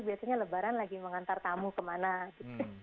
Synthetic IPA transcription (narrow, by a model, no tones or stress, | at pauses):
biasaɲaləbaɾanlaɡiməŋant̪art̪amukəmanaɡit̪u